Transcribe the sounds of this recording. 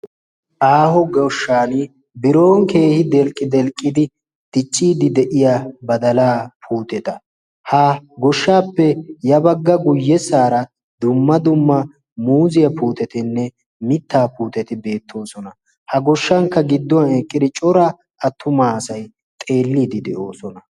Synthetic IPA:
ʔaːhɔɡɔʃːaːn | bɪɾo̞ːŋke̞ːhɪd̪ɛlkʼːɪd̪ɛlkʼːɪd̪ɪ | d̪̥ɪt͡ʃʼːiːd̪ɪd̪ɛʔɪjabɐd̪ɐlaːpʰuːt̪ɛt̪ɐ | haɡɔʃːaːpːɛjɐbɐɡːɐɡʊjːɛsaːɾɐ | d̪ʊmːɐd̪ʊmːɐ | muːzɪjɐpuːt̪ɛt̪ɪnːɛ | mɪt̪ːaːpuːt̪ɛt̪ɪbe̞ːt̪ʰːo̞ːsɔnɐ | hɐɡɔʃːɐŋkːɐɡɪd̪ːɔwɐnɛkʼːɪd̪ɪt͡ʃʼɔɾa | ʔɐt̪ʰːʊmaːɐsɐj | t̪ʼe̞ːlːiːd̪ɪd̪ɛʔo̞ːsɔnɐ

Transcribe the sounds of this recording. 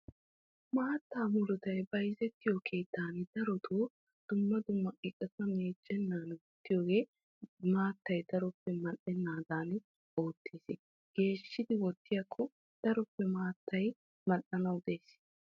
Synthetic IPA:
maːt̪ːaːmʊɾʊt̪ɐjbɐjzɛt̪ːɪjɔkʰe̞ːt̪ːaːnd̪ɐɾɔt̪ʰoː | d̪̥ʊmːɐd̪ʊmːɐkʼɪkʼːɛsɐmeːd͡ʒːɛnːaːnwɔt̪ːɪjo̞ːɡe̞ː | maːt̪ːɐjd̪ɐɾɔpːɛmɐʔɛnːaːd̪aːn | o̞ːt̪ːiːs | ɡ̥e̞ːʃːɪd̪ɪwɔt̪ːɪjɐkʰːɔ | d̪̥ɐɾɔpːɛmaːt̪ːɐj | mɐnːɐnɐwd̪eːs

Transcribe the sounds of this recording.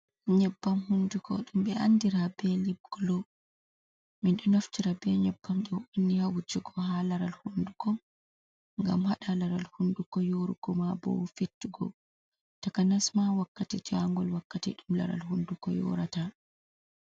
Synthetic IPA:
ɲɛbːamhundukʰɔ̰ɗumbɛandiɾabɛlib̚ɡ̥lɔ | minɗɔnaftiɾabɛɲɛbːamɗɔwunːihawud͡ʒɛɡɔhalaɾalhundukɔ | ŋɡa̰mhaɗalaɾalhundukɔjoɾuɡɔmabɔ̰wfetːiɡɔ̰ | takanasmawakːatid͡ʒaŋɡɔlwakːatḭɗumla̰ɾa̰lhundukɔ̰jɔ̰ɾata

